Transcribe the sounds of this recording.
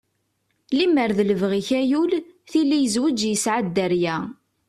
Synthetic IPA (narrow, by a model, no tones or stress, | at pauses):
limːəɾðləvʁiçæjulθilːijəzwəd͡ʒjəsʕad̪ːəɾjæ